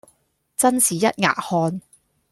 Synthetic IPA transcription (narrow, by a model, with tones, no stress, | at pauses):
t͡sɐ˥nsiː˨˩jɐ˦˥t̚ŋa̰ː˨˩ʔ̚hɔː˧n